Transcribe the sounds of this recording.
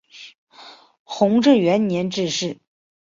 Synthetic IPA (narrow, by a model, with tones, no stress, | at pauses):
xʊ˧˥ŋʈ͡ʂɻ̩˥˩ɥɛ˧˥nnjɛ˧˥nʈ͡ʂɻ̩˥˧ʂɻ̩˥˩